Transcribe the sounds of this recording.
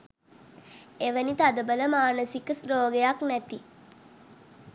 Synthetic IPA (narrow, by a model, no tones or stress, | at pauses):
eʋənit̪ad̪əbələmaːnəsikəsɾoːɡejaknæt̪i